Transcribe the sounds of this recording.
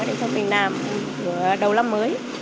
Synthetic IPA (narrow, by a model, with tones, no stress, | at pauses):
ɗa̰˨˧˩sə˨˧˦wvi˨˩ə˩t̚naː˨˩m | ɨ˧˩əɗə˨˩wla˧mːəː˨˦j